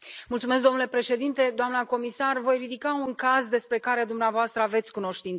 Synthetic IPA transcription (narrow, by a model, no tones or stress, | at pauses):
mult̪sumes̬kd̪o̞mnule̞pɾe̞ʃe̞d̪int̪e̞d̪oamnəko̞misarvo̞jrid̪ikauŋkazd̪e̞spɾe̞kaɾe̞d̪umneavoast̪ɾəave̞t̪sʲkuno̞ʃt̪int̪